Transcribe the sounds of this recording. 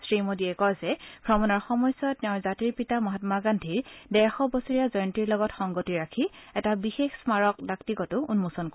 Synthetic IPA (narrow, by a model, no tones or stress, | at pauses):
sɹimodiɛkɔjzɛbʱɹɔmɔnɔɹxɔmɔjsɔttɛʊɹzatiɹpitamɔɦatmaɡandʱiɹdɛɹxɔbɔsɔɹijazɔjntiɹlɔɡɔtxɔŋɡotiɹakʰiɛtabixexsmaɹɔkdaktikɔtʊunmusɔnk